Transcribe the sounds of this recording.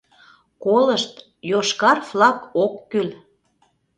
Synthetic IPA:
koləʃt̪ | joʃkɑrflɑkokːyl

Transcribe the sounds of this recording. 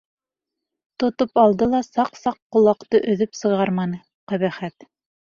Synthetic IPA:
t̪ŏt̪opɑlˠd̪ɤlˠɑsɑqsɑqːŏlˠɑqt̪ɤʔɵ̆ðɵpsɤ̆ʁɑɾmɑnɤ | qæβæχæt̪

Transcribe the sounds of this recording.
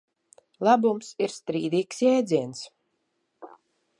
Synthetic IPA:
lˠabumsiɾst̪ɾiːd̪iːksjɛːd̪ziɛns

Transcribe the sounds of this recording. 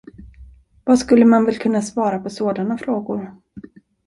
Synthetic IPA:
vaskɵlːəmanvɛlkʰɵnːasvɑːɾapʰɔsoːd̪anafɾoːɡʊɾ

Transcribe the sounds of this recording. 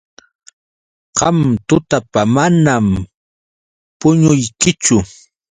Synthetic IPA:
qɑmt̪ʊt̪apamanam | pʊɲʊjkɪt͡ʃʊ

